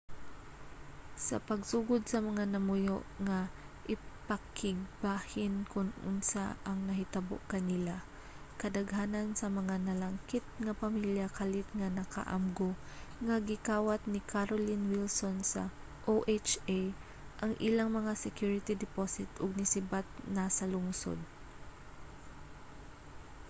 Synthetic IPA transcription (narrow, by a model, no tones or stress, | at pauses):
sɐ̰pɐɡsuːɡʊd̪sɐmɐŋanɐmʊjo̰ʔŋa | ʔɪpakɪɡ̚bahɪnkʊnʊ̰nsa̰ʔɐŋnɐɦɪt̪ɐbo̰ʔkɐnila | kɐd̪ɐɡhaːnansɐmɐŋanɐlaŋkɪt̪̚ŋapamiljakalɪt̪̚ŋanɐka̰ʔa̰mɡo | ŋɐɡɪkaːwat̪̚nɪkʰaɾolɪnwilsonsɐ̰ | ʔoʔɛt͡ʃaj | ʔɐŋʔilaŋmɐŋasɛkjuɹɪt̪id̪ɛposɪt̪ʊɡ̚nɪsɪbat̪̚nasɐlʊŋso̰d̪̚